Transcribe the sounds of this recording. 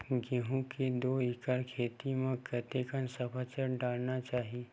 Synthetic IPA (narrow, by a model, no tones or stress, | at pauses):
ɡeɦũked̪oːɪkəɾkʰeːt̪imẽkət̪ekənsəpʰət͡ʃəɾɖaːlnat͡ʃaːɦi